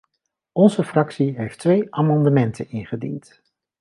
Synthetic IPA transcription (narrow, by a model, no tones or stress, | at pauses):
ɔnzəfrɑksiɦejftʋejʔaːmɑndəmɛntʰənɪnχədḭnt